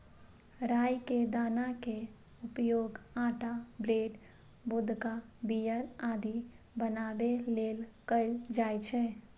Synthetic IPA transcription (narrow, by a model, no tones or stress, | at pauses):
ɾaːjked̪aːnake | ʊpjoːɡãːʈabɾeːɖ | bʊd̪ʱkabijəɾaːd̪i | bənaːbeleːlkəld͡ʒaːjt͡ʃʰɛ